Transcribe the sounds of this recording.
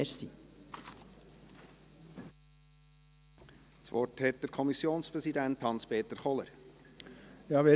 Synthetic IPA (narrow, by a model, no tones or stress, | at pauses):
ɾsi | t͡sʋɔ̰rthɛt̚d̥əɾkʰɔmisjoːnspɾɛsidænthɑnspʰeːt̪əɾχɔləɾ | jɑːʋe